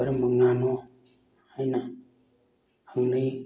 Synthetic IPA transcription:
aɾɨməŋanʊa | aina | aŋni

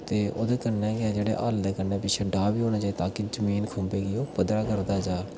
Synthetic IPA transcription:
t̪eːʔo̰ːd̪eːkənːɛːɡɪaːd͡ʒeːɽḛːʔaːld̪ɛːkənːɛːpɪt͡ʃʰeːɖaːbiːɦoːñãːt͡ʃaːiːt̪ãːkid͡ʒəmiːnkʰõmbeːɡɪjoːpəd̪ɾaːkəɾd̪aːd͡ʒaː

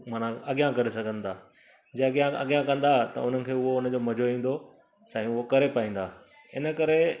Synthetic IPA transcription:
maːn̤ãɐɠijãkɐɾesɐɡʱə̃nd̪aː | d͡ʑeɡijãɐ̰ɠijãkɐ̃n̆d̪at̪ɐ̰ʊn̤ənɪ̆kʰeːʊɦoʊnə̆d͡ʑoːmɐd͡ʑʱoĩːn̆d̪o | sɛ̃ːĩʊɦokɐɾepaĩːn̆d̪aː | ɪnəkɐɾe

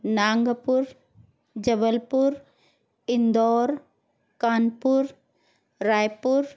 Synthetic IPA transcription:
naːŋɡəpuɾ | d͡ʒəbəlpuɾ | ɪnd̪ɔːɾ | kaːnpuɾː | aːjpʊɾ

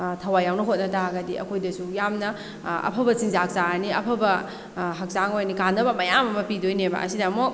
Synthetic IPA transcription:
tʰɐwajawnɐɦot̚nɐtʰaɡɐdiɐ̰kʰojdɐsujamnɐ | ɐ̰pʰɐbɐsiŋzaɦɐk̚saaniɐpʰɐbɐ | ɦɐk̚saŋojnikandɐbɐmɐjamɐmɐpidojneba̰ʔɐ̰sidɐmok̚

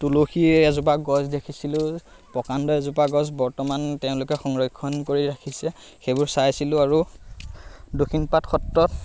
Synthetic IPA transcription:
tuloxiɛzup̬aɡɔzdekʰisilʊ̃ | pɔkandɔɛzupaɡɔzbɔɹtɔmanteʊ̃lʊkɛxɔŋɹɔjkʰːɔnkoɹiɹakʰisɛ | xebʊɹsajsilʊ̃aɹu | dokʰinpatxʰɔtɹɔt

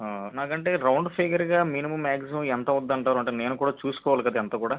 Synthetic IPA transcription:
naːkɐɳʈe̞ːɾɐwɳɖpʰeːɡɐɾɡaːminimɐmːaːkziuɛnt̪ɐud̪ːɐɳʈaːɾuɐɳʈ̬eːne̞ːnukuːɽaːt͡ʃuːsu̥kɔːʋaːlikɐd̪aːɛnt̪ɐːkuːɽaː

